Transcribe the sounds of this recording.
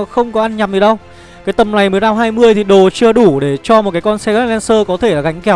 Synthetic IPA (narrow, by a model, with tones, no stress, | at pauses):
xə˧wŋ͡mkɔ˨˦ʔa˧nɲa˨˩p̚zi˨˩ɗə˧w | kaː˨˦jt̪ə˨˩mna˨˩jməː˨˦jɗaː˧wɦaː˧jmɨ˧əjt̪ʰi˨˩ɗo˨˩t͡ɕɨ˧əɗu˧˩ɗe˧˩t͡ɕɔ˧mo˨˩t̚kaː˨˦jkɔ˧nsɛ˧ɣə˦˥˨lɛ˧nsəː˧kɔ˨˦t̪ʰe˧˩laː˨˩ɣa˨˦jŋ̟kɛ˧˦w